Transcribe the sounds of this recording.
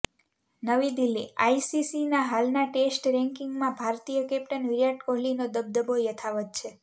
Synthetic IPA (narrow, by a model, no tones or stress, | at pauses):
nəʋid̪ilːiajisisinaɦalnaʈesʈɾɛ̃ŋkiŋɡmãbʱaɾt̪ijəkɛpʈənʋiɾjaʈkoɦlinod̪əb̚d̪əbojət̪ʰaʋət̪̚t͡ʃʰe